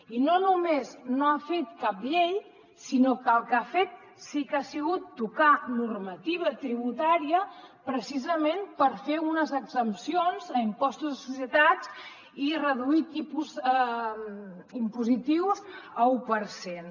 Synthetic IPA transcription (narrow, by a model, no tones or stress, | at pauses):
inonumeznoafet̪kapʎej | sinokəlˠkafet̪̚ | sikasiɣut̪ːukanurmət̪iβ̞ət̪ɾiβ̞ut̪aɾiəpɾəsizəmenpəɾfeunəzəɡzəmpsionzəimpɔst̪uzðəsusjət̪ad͡z | irəðuit̪ipuzə | impuzit̪iwzəupəɾsen